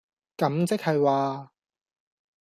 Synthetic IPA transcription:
kɐ˨˥mt͡sɪ˥k̚hɐ˨jwaː˨

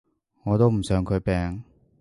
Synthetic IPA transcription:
ŋɔː˨˧t̪o˥wm̩˨˩sœː˨˧ŋkʰɵ˨˧ɥpɛː˨˧ŋ

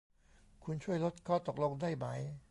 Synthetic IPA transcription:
kʰu˧nt͡ɕʰu˥˩əjlo˦˥t̪̚kʰɔː˥˩t̪o˨˩k̚lo˧ŋdaː˥˩jma˦˥j

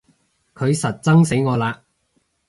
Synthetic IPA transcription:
kʰɵ˨˧ɥsɐ˨t̚t͡sɐ˥ŋse˨˥jŋɔː˨˧laː˧

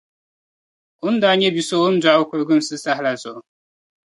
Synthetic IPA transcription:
ʊ˦n˦da˨˦ɲɛ˦bi˨so˦ʊ˦n̩˦dwa˨˦ʊ˦ko˨ɾɡɨ˦n˨sɨ˦sa˦ɦla˨zʊ˨

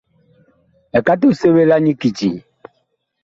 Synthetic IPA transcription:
ɛ˨ka˦t̬u˦˨se˦βe˦la˦ɲi˦ki˨ti˨

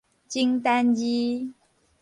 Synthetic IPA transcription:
t͡ɕi˥ŋt̪a˥nji˦

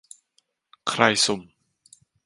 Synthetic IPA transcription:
kʰɾa˧jsu˨˩m

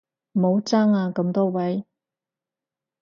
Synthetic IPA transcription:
mo˨˧wt͡saː˥ŋaː˧kɐ˧˥mt̪ɔː˥wɐ˨˥j

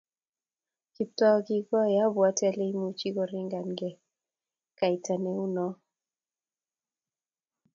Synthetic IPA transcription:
ki˨ptɔ˦ɡɪ˦ɡɔ˦ja˦bwa˦tɛ˦le˦i˦mu˦t͡ʃi˦ɡɔ˨ɾi˦ŋɡa˨nɡɛ˨ | ka˨i˨ta˨ne˦u˦nɔ˦

